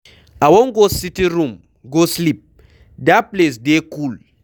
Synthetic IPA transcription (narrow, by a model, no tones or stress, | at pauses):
ʔawɔŋɡositiɾum | ɡoslip̚ | daples̬dekul